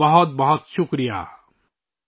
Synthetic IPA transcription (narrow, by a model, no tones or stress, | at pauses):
ɐɦɔt̪̚bɐɦɔt̪ʃukɾija̰